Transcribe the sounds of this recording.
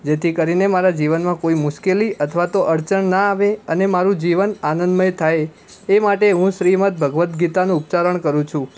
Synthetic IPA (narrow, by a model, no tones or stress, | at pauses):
d͡ʒet̪ʰikəɾinemaɾad͡ʒiʋənmãkoimʊʃkeliʔət̪ʰəʋat̪oʔəɾt͡ʃənnaːʋeənemaɾũd͡ʒiʋənanənd̪məjt̪ʰae | emaʈeɦũʃɾimət̪̚bʱəɡʋət̪ɡit̪anũːpt͡ʃaɾəɳkəɾũt͡ʃʰũ